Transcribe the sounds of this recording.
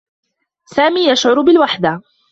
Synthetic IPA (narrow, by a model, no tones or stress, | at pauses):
saːmiːjaʃʕʊɾʊbɪlwaħd̪a